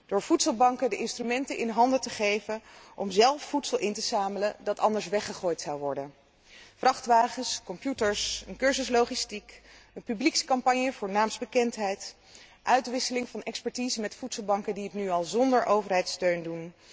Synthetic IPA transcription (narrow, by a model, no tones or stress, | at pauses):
d̥ʊːɹv̥utsəlˠbɑŋkədəʔɪnstrymɛntəʔɪnɦɑndətəχejvənʔɔ̰mzɛlˠfːutsəlˠʔɪntəzaːmələdɑtɑndəɹs̬ʋɛχəχoːjtsɑwʋɔɹdən | v̥rɑχtʋaːχənskɔmpjutəɹsənkøɹzəslowχistikənpybliksə̥kɑmpɑɲjəvʊːɹnaːmzbəkɛntɦɛjt | ʔœɥtʋɪsəlɪŋvɑnɛkspɛɹtizəmɛtfutsəlˠbɑŋkədiɦətnyɑlˠzɔndəɹʔowvəɹɦɛjtstøɥndun